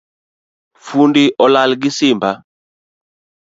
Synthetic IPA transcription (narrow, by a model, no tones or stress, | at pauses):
fundiʔɔlalɡisimba